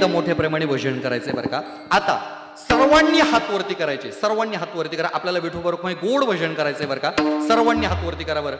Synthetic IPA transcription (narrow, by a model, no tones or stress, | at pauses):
əmoʈʰepɾemaɽ̃eʋʱəd͡ʑəɳkəɾa̰jt͡səɦebə̰ɾka | at̪a̰ | səɾʋaɳːjəɦat̪ʋəɾt̪iːkəɾajt͡ɕesəɾʋaɳːjəɦat̪ʋəɾt̪iːkəɾaʔapljalaʋiʈʰobəɾokʰmãiɡoɽʋʱəd͡ʑəɳkəɾajt͡səɦebəɾkasəɾʋaɳːjəɦat̪ʋəɾt̪iːkəɾaʋəɾ